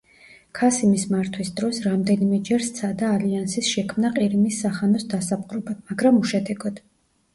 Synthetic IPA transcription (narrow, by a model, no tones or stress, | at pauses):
kʰasimismaɾt̪ʰwisd̪ɾɔsɾamd̪ɛnimɛd͡ʒɛɾst̪sʰad̪aːliansisʃɛkʰmnaqʼiɾimisːaχanɔsd̪asap̚ʼqʼɾɔbamaɡɾamuʃɛd̪ɛɡɔd̪̥